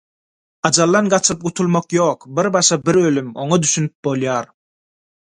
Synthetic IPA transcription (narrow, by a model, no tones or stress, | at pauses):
ɑd͡ʒɑlˠːɑnɢɑt͡ʃʰɯp̚ɢut̪ʰulˠmoqjo̞ːqbiɾbɑʃɑbiɾølymo̞̰ŋɑd̪yʃynyp̚bolˠjɑːɾ